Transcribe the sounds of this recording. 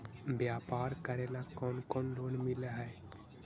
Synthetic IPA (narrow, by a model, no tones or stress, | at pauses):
bjaːpaːɾkəɾelakɔːnkɔːnloːnmɪleɦɛː